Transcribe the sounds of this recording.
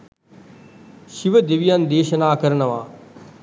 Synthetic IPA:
ʃiʋəd̪eʋijãnd̪eːʃnaːkəɾnəʋãː

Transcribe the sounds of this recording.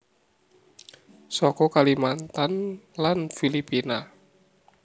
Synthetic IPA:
sɔkɔkalimant̪anlanfilipina

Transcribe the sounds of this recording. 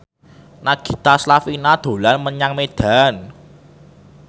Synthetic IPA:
naɡ̥i̤t̪aslafinad̪̥o̤lanməɲaŋmed̪̥a̤n

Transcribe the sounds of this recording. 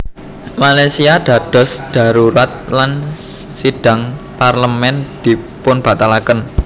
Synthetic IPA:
malasiad̪̥ä̤d̪̥ɔ̤sd̥a̤ɾuɾat̪̚lansiɖ̥a̤ŋ | parləmɛnd̪̥i̤pʊnb̥a̤t̪alakən

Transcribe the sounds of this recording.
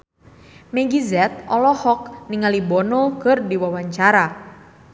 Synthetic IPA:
mɛɡizɛt̪̚ɔlɔhɔk̚niŋalibɔnɔkɨrdiwawaɲt͡ʃaɾa

